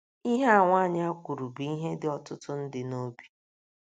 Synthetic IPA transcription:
i˦ɦe˦a˦˨ŋʷa˦ɲ˦a˦kʷu˨ɾu˨bi˦ɦe˦dɪ˦ɔ˦tʊ˦tʊ˦n̩˦dɪ˨no˦bi̥˨

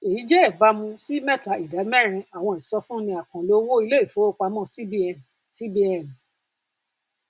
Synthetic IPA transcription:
e˨ji˨˦d͡ʒɛ˦ɛ˦˨ba˨˦mũ˧si˦mɛ˦˨ta˨˦i˨da˨˦mɛ˦˨ɾ̃ĩ˧a˨w̃ɔ̃˧i˨sɔ˧fũ˦nĩ˧a˨kã˨lo˦wo˦i˧le˦i˦˨fo˨˦o˦k͡pa˧mɔ̃˦˨si˦bi˦˨ | si˦bi˦ɛ˨n˨

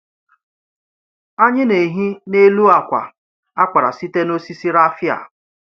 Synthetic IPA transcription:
a˦ɲɪ˦ne˨ɦi˦ne˦lu˦a˨kʷa̰˨ | a˦kʷa˨ɾa̰˨si˦te˦no˦si˦si˦ɾa˦fja̰˨

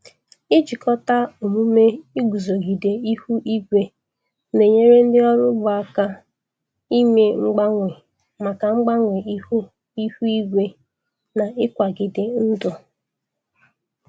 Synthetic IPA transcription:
ɪ˦d͡ʒi˨kɔ˦ta˦o˨mu˦me˦i˦ɡu˨zo˨ɡi˨de˨i˦hu˦ʔi˦ɡʷe˦ | ne˨ɲe˦ɾe˦n̩˦dɪ˦ɔ˦ɾʊ˦bʊ˨a˦ka˦ | i˦me˨ŋ͡m̩˦ɡ͡ba˦ŋʷe˨ | ma˨ka˨ŋ͡m̩˦ɡ͡ba˦ŋʷe˨i˦hu˦ | i˦hu˦i˦ɡʷe˦ | na˨ɪ˦kʷa˨ɡɪ˨dɪ˨n̩˦dʊ˨

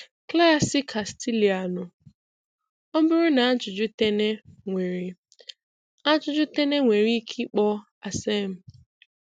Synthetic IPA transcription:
kla˦sɪ˦kʰa˨sti˦li˨a˨nʊ˨ | o˦bʊ˦ɾʊ˦na˨a˦d͡ʒʊ˨d͡ʒʊ˦te˦ne˦ŋʷe˨ɾi˨ | a˦d͡ʒʊ˦d͡ʒʊ˦te˦ne˦ŋʷe˨ɾi˦kʰi˦k͡pɔ˦ | a˨se˦m̩˨

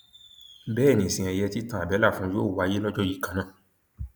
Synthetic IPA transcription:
bɛː˦˨nĩ˨sĩ˨˧ɛ̃˧jɛ˧ti˦tã˦a˨bɛ˨˦la˦˨fũ˧˦joː˦˨wa˨˧je˦lɔ˦d͡ʒɔ˦ji˦˨kã˨nãː˦˨

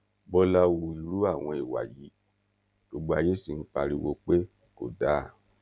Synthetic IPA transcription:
bɔ˧la˧wu˧i˧ɾu˦a˦˨w̃ɔ̃˧i˨wa̰˨ji˨˦ | ɡ̥o˧ɡ͡bo˧a˧je˦si˨n̩˦k͡pa˧ɾi˧wo˧k͡pe˦ | ko̰˨da˨˦˨

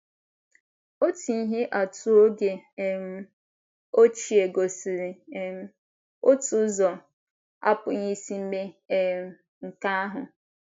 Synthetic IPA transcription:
o˦ti˨˦i˦ɦɪ˦ʔa˨tu˦o˦ɡe˨˦m̩˦ | o˦t͡ʃi˨e˨ɡo˨si˨ɾɪ˨˦ | o˦tu˨˦zɔ˨ | a̰˦pʊ˨ɲi˦si˦m̩˦me˦˨ | ŋ̩˨ka˦ɦʊ˨

